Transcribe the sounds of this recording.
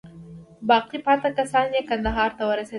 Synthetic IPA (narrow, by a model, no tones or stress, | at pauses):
bɑqipɑt̪akasɑnjekand̪aɦɑɾt̪awəɾase